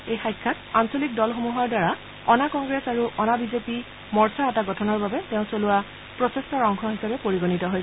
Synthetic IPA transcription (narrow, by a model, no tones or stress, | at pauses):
ejxajkʰːatansolik̚dɔlxomuɦaɹdwaɹa | ɔnakɔŋɡɹesaɹuʔɔnabizepi | mɔɹsaɛtaɡɔtʰɔnɔɹbabɛteʊ̃solʊa | pɹɔsɛstɔɹɔŋkʰɔɦisabɛpoɹiɡonitɔɦojsɛ